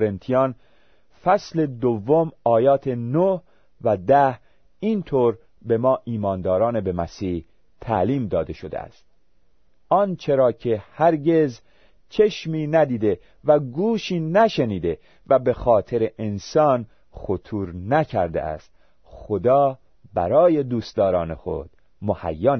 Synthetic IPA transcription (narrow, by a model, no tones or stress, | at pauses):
ɾent̪ʰijɑːn | fæsle̞d̪ovːomɒːjɒːt̪ʰe̞noh | væd̪æh | iːnt̪ʰoːɾ | be̞mɒːʔiːmɒːnd̪ɒːɾɒːnebe̞mæsiːh | t̪ʰæ̰liːmd̪ɒːd̪e̞ʃo̞d̪ḛæ̰st̪̚ | ɒːnt͡ʃʰe̞ɾɒːcʰe̞hæɾɟe̞z | t͡ʃʰe̞ʃmiːnæd̪iːd̪e̞ | væɡuːʃiːnæʃe̞niːd̪e̞ | væbe̞xɒːt̪ʰe̞ɾeʔensɒːn | χot̪ʰuːɾnæcʰæɾd̪ḛʔæ̰st̪ | xod̪ɒː | bæ̰ɾɒːje̞d̪uːsd̪ɒːɾɒːne̞̰xo̞̰d̪̥ | mohæ̰jːɒːn